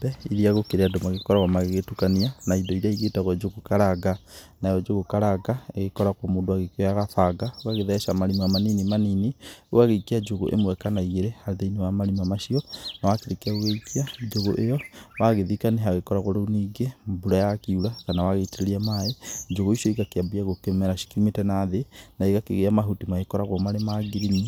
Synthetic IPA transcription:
bɛiɾiaɣokeɾeadomaɣekɔɾaɣwamaɣeɣetukanianaidɔiɾiaiɣetaɣwad͡ʒoɣokaɾaɡa | najɔd͡ʒoɣokaɾaɡaeɣekɔɾakwamoːndoaɣekjɔjaɣaθaɡaoaɣeðɛʃamaɾimamaninimaninioaɣeikiad͡ʒoɣo̰ʔḛmwɛkanaiɣeɾehaðeiniwamaɾimamaʃiɔnawakeɾekaoɣeikiad͡ʒoɣoʔejɔwaɣeðikaneɦaɣekɔɾaɣoɾouniːɡembuɾajakiuɾakanawaɣeteɾeɾiamaed͡ʒoɣoiʃiɔiɣakeabiaɣokɛmɛɾaʃi̥kiumetɛnaðenaiɣakeɣeamaɦutimaɣekɔɾaɣwɔmaɾemaɡiɾini

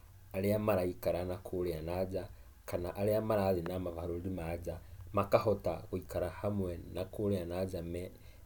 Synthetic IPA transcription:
aɾeamaɾaikaɾanakʰuɾeanad͡ʒa | kanaʔaɾeamaɾaðinamavaɾoɾimad͡ʒamakahota̰ɣuikaɾahamwɛnakoɾeanad͡ʒamɛ

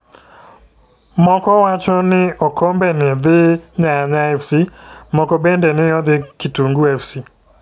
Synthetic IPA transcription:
mɔkɔwat͡ʃɔnɪɔkʰɔmbɛnɪðɪɲaɲaɛfsimɔkɔbɛndɛnɪjɔðɪkɪtuŋɡuɛfsi

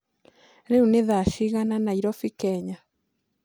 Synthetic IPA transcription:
ɾeuneðaʃiɣananaiɾɔfikɛɲa

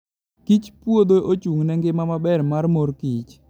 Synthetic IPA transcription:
kit͡ʃpwod̪oʔot͡ʃuŋnɛŋɡɪmamabɛrmarmoɾkit͡ʃ

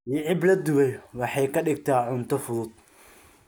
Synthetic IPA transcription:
jɪʕɪblɐd̪ʊβɛjwɑħɑjkʰɐɖɪɡ̚t̪ʰaːʕʊnt̪ʰɔfʊðʊd̪̚

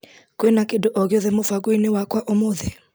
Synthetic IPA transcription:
kenakedoʔɔɣoðemofakoinewakwaʔomoðe

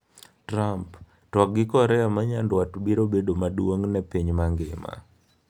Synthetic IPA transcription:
tɾamp | twɔk̚ɡɪkɔɾɛamaɲandwatbiɾobedomadwoŋnɛpiɲmaŋɡɪma̰

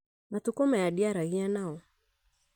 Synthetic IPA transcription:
matukɔmajadiaɾaɣianaɔ

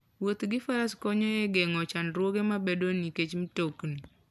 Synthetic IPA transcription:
wot̪ɡɪfaɾaskɔɲɔjeɡeŋɔt͡ʃanɾwoɡemabedoniket͡ʃmtokni

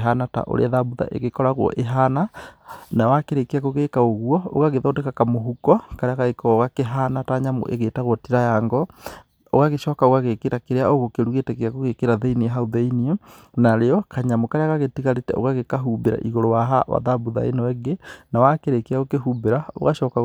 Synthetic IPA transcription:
ɦanata̰ʔo̰ɾḛaðabuða̰ʔḛɣekɔɾaɣwɔ̰ʔeɦananawakeɾekeakoɣekaoɣwɔo̰ɣaɣeðodekakamoɦukɔkaɾeaɣaɣekɔɣakeɦanataɲamo̰ʔḛɣeːtaɣwɔtiɾajaːŋɡɔ | oɣaɣeʃɔːkaoɣaɣekeɾakeɾeaoɣokeɾuɣetɛɣeakoɣekeɾaðeiniɛɦaoðeiniɔ | naɾeɔkaɲamokaɾeaɣaɣetiɣaɾetɛo̰ɣaɣekaɦubeɾa̰ʔiɣoɾowaɦawa̰ðaβuða̰ḛnɔwɛɡenawakeɾekeaɣokehuːbeɾao̰ɣaʃɔka

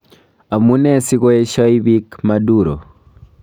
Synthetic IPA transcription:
amunɛsikɔɛʃɔiβikmaduɾo̰

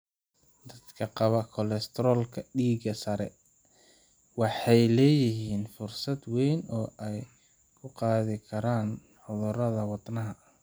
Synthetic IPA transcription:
d̪ɐd̪kʰɐqɑβɐkʰɔlɛst̪ʰɾɔːlkʰɐɖiːɡɐsɐɾɛ | wɑħɑjlɛːjɪɦiːnfʊrsɐd̪wɛjnɔːʔɛj | kʰʊqɑːðɪkʰɐɾaːn | ħʊðʊrɐðɐwɑd̪nɐɦɐ

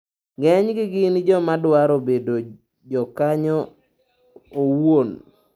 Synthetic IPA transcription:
ɡɛɲɡɪɡɪnd͡ʒɔmadwaɾobedo | d͡ʒɔkaɲɔ | owon

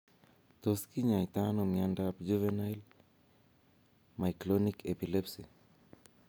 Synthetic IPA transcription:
t̪ɔskiɲait̪anɔmiandapd͡ʒuvɛnajl | majklɔnikʰɛpilɛpsi

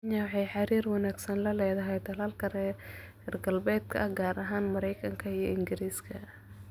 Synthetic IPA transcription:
ɲaːʕɛjħɑɾiːrwɑnaːɡsɐnlɐlɛːðɐɦɛjt̪ʰɐlaːlkʰɐrɛ | hɛrɡɐlbɛːd̪̚kʰɐ̰ʔɐɡaːɾʔɐɦaːnmɐɾɛjkʰɐŋkʰɐijɔɪŋɡɪɾiːskʰɐ

